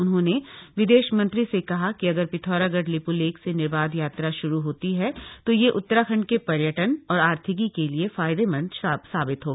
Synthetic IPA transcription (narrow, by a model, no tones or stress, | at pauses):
ʊnɦõːneʋɪd̪eːʃmɐ̃nt̪ɾisekɐɦakiɐɡəɾpɪt̪ʰɔːɾaɡəʈlɪpuleːksenɪɾbaːd̪jaːt̪ɾaʃʊɾuɦoːt̪iɦɛt̪ojeʔʊt̪ːəɾakʰɐ̃ɳɖ̚kepɐɾjəʈənɔːɾaːɾt̪ʰɪk̬ikeliefaːɪd̪emɐ̃ntːsaːbɪt̪ɦoː